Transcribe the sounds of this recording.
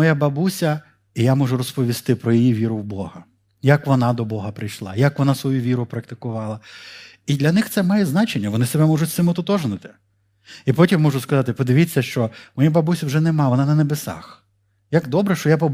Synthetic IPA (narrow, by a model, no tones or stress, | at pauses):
ɔjabɐbusʲɐ | ijamɔʒʊɾɔspɔʋʲist̪ɪpɾɔjijiʋʲiɾʊwbɔhɐ | jɐkʋɔnɑd̪ɔbɔɦɐpɾɪjʃlˠɑ̰jakʋɔnɑsʋɔjuʋʲiɾʊpɾɐk̚t̪ɪ̥kʊʋɑlˠɐ | id̪lʲɐnɪxt̪sɛmɑjɛznɑt͡ʃenʲːɐʋɔnɪsebɛmɔʒʊtʲsɪmʊt̪ʊt̪ɔʒnɪt̪ɪ̥ | ipɔtʲimːɔʒʊskɐzɑt̪ɪpɔd̪ɪʋʲit͡sʲːɐʃt͡ʃɔmɔjabɐbusʲɐwʒɛnɛmɑʋɔnɑnɐnebesɑ̰x | jaɡd̪ɔbɾɛʃt͡ʃɔjapɔb